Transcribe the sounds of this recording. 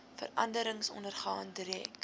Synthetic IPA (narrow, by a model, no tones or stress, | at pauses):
fə̰rɐndəɾəŋsɔ̰ndərχɑːndɾɛːk